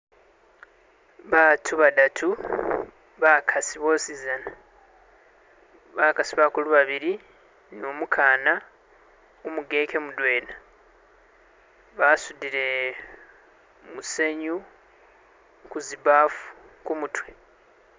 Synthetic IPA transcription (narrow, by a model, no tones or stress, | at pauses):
βaːtʰuβadatʰu | βakʰasiβo̞sizana | βakasiβakuluβaβiɾi | noːmukʰaːna | omuɡe̞ːke̞mudwe̞ːna | βasudiɾe̞ | muse̞ɲu | kuzibaːfu̥kumutwe̞